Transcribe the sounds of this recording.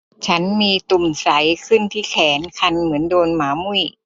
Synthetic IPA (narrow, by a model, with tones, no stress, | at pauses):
t͡ɕʰa˦˥nmiː˧t̪u˨˩msa˨˩˦jkʰɯ˥˩nt̪ʰiː˥˩kʰɛː˩˦nkʰa˧nmɯ˩˦əndoː˧nmaː˩˦mu˥˩j